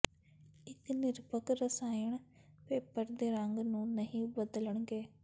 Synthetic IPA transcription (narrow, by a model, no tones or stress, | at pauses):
ɪt̪ʰnɪɾpəkɾəsaːiɪɳpeːpəɾd̪eːɾəŋɡnũːnəɦĩːbəd̪ləɳ̃ɡeː